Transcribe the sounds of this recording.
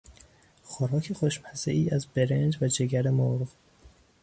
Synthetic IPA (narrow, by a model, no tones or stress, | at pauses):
xoɾɒːcʰexoʃmhæsḛʔiːæzbeɾend͡ʒvæd͡ʒeɡæɾemoɾʁ